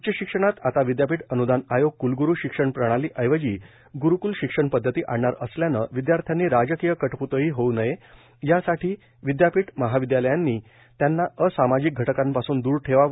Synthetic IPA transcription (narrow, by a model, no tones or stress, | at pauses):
t͡ɕəɕikʂəɽ̃at̪at̪aʋid̪japiːʈənud̪anajoɡ̚kulɡuɾuɕikʂəɳpɾəɽ̃aliːʔəjʋəd͡ʑiː | ɡuɾukulɕikʂəɳpəd̪ʱːət̪iːʔaɽɳaɾəsljanə̰ʋid̪jaɾt̪ʰjanːiːɾad͡ʑəkijəkəʈput̪əɦiːɦonəje | jasaʈiː | ʋid̪japiːʈməɦaʋid̪jaləjanːiː | t̪janːaəsamad͡ʑik̚ɡʱəʈəkampasuːnd̪uːɾʈʰeʋa